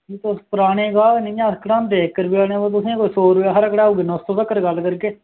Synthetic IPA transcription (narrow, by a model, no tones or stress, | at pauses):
iːt̪ospʊɾaːɽ̃ẽːɡaːlnĩːãːskɽãːmd̪eːkːəɾbiaːɽẽːoːt̪̬ʊsĩãkoːisoːɾaɦəɾəkɽaːuːɡenost̪oːsəkːəɾɡəlkəɾkeː